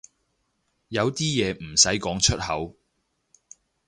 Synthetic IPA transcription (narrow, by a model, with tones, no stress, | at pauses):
jɐ˨˧wt̪iː˥jɛː˨˧m̩˨˩sɐ˨˥jkɔː˨˥ŋt͡ʃʰɵ˥t̚hɐ˨˥w